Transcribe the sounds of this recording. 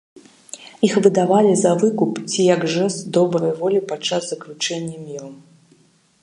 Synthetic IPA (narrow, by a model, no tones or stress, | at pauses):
ixvɨd̪avalʲizɐvɨkupt͡sʲijɐɡʐɛst̪d̪ɔbɾɐjvɔlʲipat͡ʂːaszɐklʲut͡ʂɛnʲːɐmʲiɾɐm